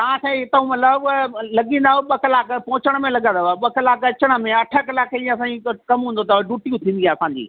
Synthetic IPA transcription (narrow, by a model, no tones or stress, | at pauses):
ãt̪ʰẽɦɪt̪əũmɐt̪ləblɐɠĩːnd̪aːɦoɓɐklaːkpɐ̃ɦʊt͡ɕəɽ̃mẽlɐɠə̃nd̪aaɓɐklaːkɐt͡ɕəɽ̃ə̆mẽɐʈʰəkɐlaːkʰĩɐs̬ãːikɐmɦũːn̆d̪ot̪ɐɖuːʈijũt̪ʰĩːn̆d̪iaːɐsãːɲd͡ʑḭː